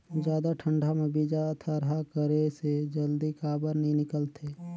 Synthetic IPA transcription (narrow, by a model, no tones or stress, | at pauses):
d͡ʒjaːd̪aʈʰə̃ɳɖʱamẽbid͡ʒat̪ʰaɾɦakəɾesed͡ʒəld̪ikaːbəɾnəɦĩnɪkəlt̪ʰeː